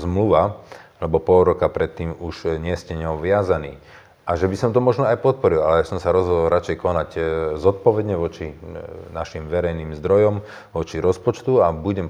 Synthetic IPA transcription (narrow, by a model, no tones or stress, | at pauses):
zmluʋalɛbɔpɔlɾɔkapɾɛt̪ːiːmuʒɲɪɛscɛɲɔʋɪazaniː | ʔaʒɛbisɔmt̪ɔmɔʒnɔajpɔt̪̚pɔɾilalɛjasɔmsaɾɔzɦɔd̪ɔlɾat͡ʃɛjkɔnaɟzɔt̪̚pɔʋɛd̪ɲɛʋɔt͡ʃinaʃimʋɛɾɛjniːmzd̪ɾɔjɔm | ʋɔt͡ʃiɾɔspɔt͡ʃt̪uabuɟɛm